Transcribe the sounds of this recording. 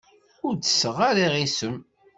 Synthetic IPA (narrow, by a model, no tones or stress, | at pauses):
ʊɾdə̥səʁaɾiʁisəm